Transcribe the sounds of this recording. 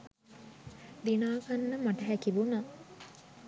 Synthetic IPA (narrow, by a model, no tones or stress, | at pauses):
d̪inaːkanːəmaʈɐɦækiʋuna